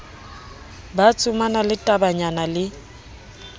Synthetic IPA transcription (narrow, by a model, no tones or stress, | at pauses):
bat͡sʼʊmanalɪtʼabaɲanalɪ